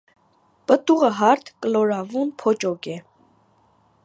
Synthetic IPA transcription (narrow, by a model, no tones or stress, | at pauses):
pʼət̪uʁəɦɑɾt̪ʰkʼəlɔɾɑvunpʰɔt͡ʃɔkɛ